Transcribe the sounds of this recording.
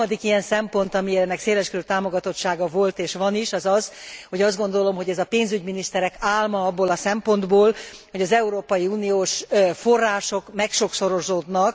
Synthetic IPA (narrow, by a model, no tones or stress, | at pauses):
d̪ikijɛnsɛmpo̞nt̪ɒmiɛɛnːɛkseːlɛʃkøøt̪aːmo̞ɡɒt̪o̞t̪ʃaːɡɒvo̞lt̪eːʃʋɒniʃɒzɒz̥ho̞ɟɒzd̪ɡo̞nd̪o̞lo̞mɦo̞ɟɛzɒpeːnzyɟminiʃt̪ɛɾɛkaːlmɒɒbːoːlɒsɛmpo̞nd̪boːlho̞ɟɒzɛuɾoːpɒjiuːnijoːʃfo̞rːaːʃo̞kmɛkʃo̞kso̞ɾo̞zoːd̪nɒk